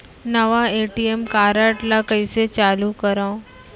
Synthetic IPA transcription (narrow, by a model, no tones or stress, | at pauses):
nəʋaeʈiemkaɾaʈlakəjset͡ɕalukəɾã